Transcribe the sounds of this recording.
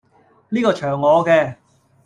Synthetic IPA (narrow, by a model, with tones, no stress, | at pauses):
liː˥kɔː˧t͡ʃʰœː˨˩ŋːɔː˨˧kɛː˧